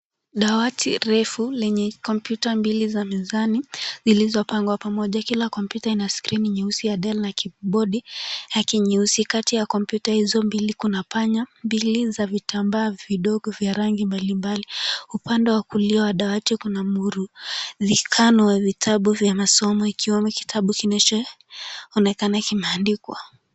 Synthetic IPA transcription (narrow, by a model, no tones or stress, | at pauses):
ɗawatʰiɾɛfulɛɲɛkɔmpjutambilizamizanizilizɔpaŋɡwapamɔʄakilakɔmpjutainaskɾiniɲɛusijaɗɛlnakiɓɔɗilakiɲiusikatijakɔmpjutahizɔmbilikunapaɲambilizavitʰambaːviɗɔɡɔvjaɾaŋɡimbalimbaliupandɛwakuliawaɗawatikunamuɾuðikʰanɔwavitʰaɓuvjamasɔmɔikiwɛmuki̥tʰaɓukinɛt͡ʃɔ | ɔnɛkanakimɛandikwa̰